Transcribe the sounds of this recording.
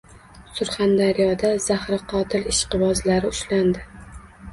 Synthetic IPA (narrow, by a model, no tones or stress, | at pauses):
sʊɾχand̪aɾijɒd̪az̥ahɾɪqʰɒt̪ʰɪlɪʃqɨvɒzlaɾɪʊʃland̪ɪ